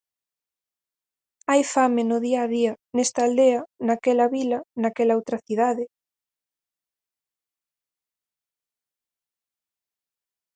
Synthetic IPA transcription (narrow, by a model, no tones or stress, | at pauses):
ajfamenʊðiaːðiɐnest̪aːld̪eɐnakɛlɐβilɐnakɛlaowt̪ɾɐθiðaðɪ